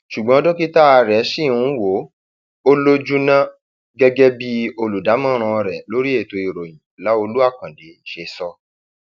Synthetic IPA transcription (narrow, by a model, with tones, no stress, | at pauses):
ʃu˨ɡ͡bɔ̃˨˦ɔ˦do˦ki˦ta˦a˧ɾɛ˨˦ʃi˦˨˧wo˨˦ | o˦lo˦d͡ʒu˦nã˦ | ɡɛ˦ɡɛ˦bi˦o˧lu˨da˨˦mã˦˨ɾ̃ã˧ɔ˧ɾɛ˨lo˨˦ɾi˦e˦˨to˧i˨ɾo˨j̃ĩ˨la˨˦o˧lu˦a˦˨kã˨de˨ʃe˧sɔ˧